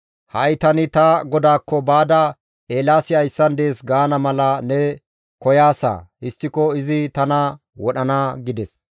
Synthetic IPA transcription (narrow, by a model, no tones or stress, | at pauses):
hɐjt̪ɐnɪt̪ɐɡɔd̪aːkːɔbaːd̪ɐ | eːlaːsɪɐjsːɐnd̪e̞ːsɡaːnɐmɐlɐnɛ | kɔjaːsa̰ːɪst̪ːɪkɔɪzɪt̪ɐnɐ | wɔɗɐnaɡɪd̪ɛs